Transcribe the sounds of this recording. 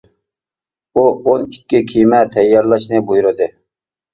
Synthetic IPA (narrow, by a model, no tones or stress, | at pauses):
uonikʲːɪkʲʰijmɛt̪ʰɛjːɑɾlˠɑʃnɨbujuɾɨd̪ɨ